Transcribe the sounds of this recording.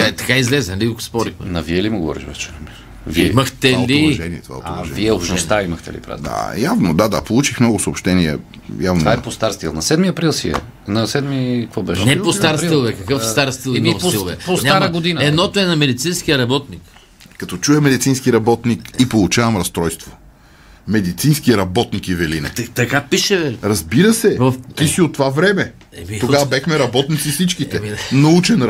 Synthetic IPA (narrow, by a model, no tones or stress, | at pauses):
t̪ɐ̥kaizlɛzɛnlikokspɔɾixmɛ̰nɐviɛlimiɡovɔ̰ɾḭʃvɛt͡ʃɛ̥i | vimɐxt̪ɛliʒɛniɛt̪va̰ot̪viɛobʃnost̪aimɐxt̪ɛ̰lḭpɾa̰d̪d̪a̰javnod̪ad̪a̰polˠut͡ʃixmnɔɡʊsoːpʃt̪ɛniɛ̰ | javnovaɛpost̪aɾst̪ilˠnɐsɛd̪miɐpɾilˠsiɛ̰ | nɐsɛd̪mikvɔbɛʃnɛpost̪aɾsiilˠvɛkɐkɤfft̪aɾst̪ilˠivɛposnʲɲaaɾɡod̪inəɛd̪nɔt̪oɛnɐmɛd̪it̪sinskiɐɾɐbɔt̪nik | kːɐt̪ɔt͡ʃuɛmɛd̪it̪sinskiɾɐbɔt̪nikipolˠut͡ʃavɐmɾɐst̪ɾɔjst̪vo | mɛd̪it̪sinskiɾɐbɔt̪nikivɛlḭnɛ̰t̪ɐkapiʃɛvɛiɾɐzbiɾəsɛvft̪isiot̪ːovavɾɛmɛ | ɛmit̪oavɐbɛxmɛɾɐbɔt̪nit̪sifsit͡ʃkit̪ɛnɐut͡ʃɛn